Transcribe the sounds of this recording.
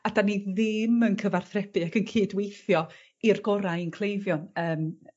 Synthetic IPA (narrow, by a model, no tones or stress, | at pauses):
adaniðɪmənkʰəvarθrɛb̥ɨakʰənkʰiːdwejθjɔ | irɡɔɾajnkʰlˠejvjɔnəːm